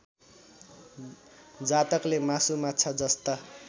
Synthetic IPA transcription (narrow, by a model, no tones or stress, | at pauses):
d͡zat̪ʌklemasumatːt͡sʰʌd͡zʌst̪a